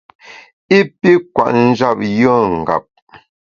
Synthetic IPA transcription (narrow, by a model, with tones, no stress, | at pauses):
i˦pi˦kwa̰˨ʔn̩˦d͡ʒa˦˨p̚jə˦˨ŋ̩˨ɡa̰˨p̚